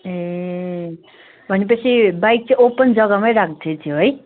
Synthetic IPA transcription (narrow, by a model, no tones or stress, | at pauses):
e | bʱʌnepʌt͡sʰibajk̚t͡saopʌnd͡zʌɡamajɾak̚ʰd̪ʰet̪ʰjuɦoj